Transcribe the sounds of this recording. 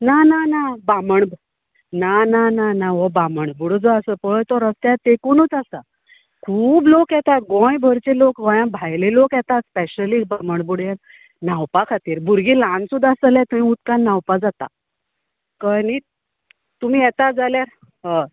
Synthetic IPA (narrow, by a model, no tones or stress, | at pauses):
nananabaməɳb | nanananaʋɔbaməɳbuɽəd͡zɔasəpəɭəjt̪ɔɾəst̪jat̪ekuːnət͡sasa̰ | kʰuːblokjɛt̪at̪̚ɡɔ̃jbʱəɾt͡selokɡɔ̃jãbʱajlelokjɛt̪at̪speɕəliːbaməɳbuɽjan | nawpakʰat̪iːɾbuɾɡilãnsud̪ʱːasəljɛ̃t̪umĩut̪kanːawpad͡zat̪a̰ | kəni | t̪um̤iːjɛt̪ad͡zaljaɾ | ɦə